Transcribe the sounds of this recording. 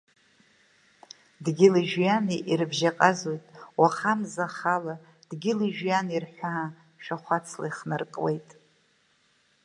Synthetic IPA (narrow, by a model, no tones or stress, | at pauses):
dɡʲɪliʒjaniʔirbʒaqʼazojtʼwaχamzaχala | d̥ɡʲɪliʒᶣjanirħʷaa | ʃᶣaχʷat͡sʰla̰iχnɨrkʼwejtʼ